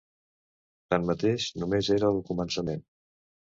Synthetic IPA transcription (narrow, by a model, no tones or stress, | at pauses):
t̪anmət̪eʃnumezeɾəːlˠkumənsəmen